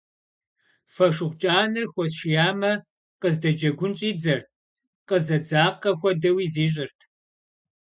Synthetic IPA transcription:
fɐʂʊχʷt͡ʃʼaːnɨrxʷɔsʃijaːmɐ | qəzdɐd͡ʒɐɡʷʊnt͡ʃʼiːd͡zɐrt | qəzɐd͡zaːqɐxʷɔdɐwiːziːɕ̬ʼɪrtʰ

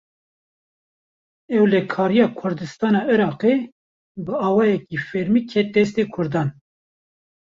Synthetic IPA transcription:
ɛwlɛkʰɑːɾijɑːkʰʊɾd̪ɨst̪ɑːnɑːiɾɑːqe | bɨɑːwɑːjɛkiːfɛɾmiːkʰɛt̪ɛst̪eːkʰʊɾd̪ɑːn

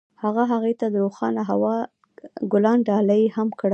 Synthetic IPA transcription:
haɣaɦaɣejt̪ad̪əɾoxɑnaɦawɑ | ɡʊlɑnɖɑlajhamkɽ

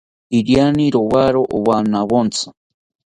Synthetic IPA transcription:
iɾjaniɾowaɾoʔowanawont͡sʰḁ

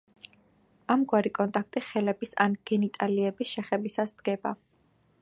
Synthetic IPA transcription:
amɡwaɾikʼɔnt̪ʼakʰt̪ʼiχɛlɛbisa̰nɡ̥ɛnit̪ʼaliɛbisʃɛχɛbisasd̪̥ɡɛba

